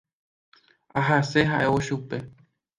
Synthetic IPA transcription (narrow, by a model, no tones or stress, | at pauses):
aɦase̞ɦaʔe̞oʃupe̞